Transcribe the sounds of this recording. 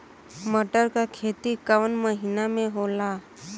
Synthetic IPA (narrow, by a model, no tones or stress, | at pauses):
məʈəɾkakʰet̪iːkaʋənməɦinameɦola